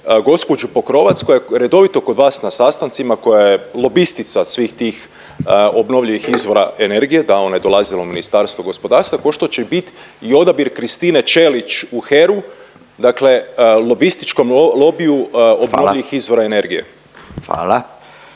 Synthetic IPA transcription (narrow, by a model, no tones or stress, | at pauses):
ɡo̞spo̞d͡ʒupo̞kɾo̞ʋat̪skojeɾe̞d̪o̞ʋit̪o̞ko̞d̪ʋaːsnasaːst̪ant̪simako̞jajelˠo̞bist̪it̪sasʋiːxt̪iːx | o̞bno̞ʋʎiʋixizʋo̞ɾa̰ene̞ɾɡije̞d̪ao̞najed̪o̞lˠazilominist̪aːɾst̪ʋoɡo̞spo̞d̪aːɾst̪ʋako̞ʃt̪o̞t͡ʃebit̪ | io̞d̪abiɾkɾist̪iːnet͡ʃe̞lit͡ʃuxeɾu | d̪akle̞lˠo̞bist̪i̥t͡ʃko̞mlˠo̞biuo̞boʎiʋixizʋo̞ɾaene̞ɾɡije̞̰ | a̰ːla